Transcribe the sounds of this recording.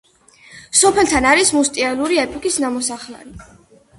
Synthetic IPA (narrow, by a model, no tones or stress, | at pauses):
sɔpʰɛlˠt̪ʰanaɾismust̪ʼialuɾiɛpʰɔkʼisnamɔsaχla̰ɾi